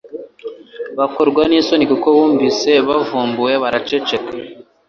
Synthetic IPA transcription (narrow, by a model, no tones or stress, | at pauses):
βakoɾɡwaniso̞nikukoβuːɱvise̞βavuːmbuje̞βaɾat͡ʃet͡ʃeka